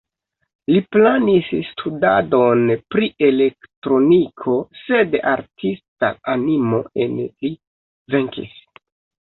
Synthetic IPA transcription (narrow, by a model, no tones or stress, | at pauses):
liplanisstʰuda̰do̞npɾiʔe̞le̞ktɾo̞nikʰo̞se̞daɾtʰista̰animo̞e̞nli | ve̞ŋkḭs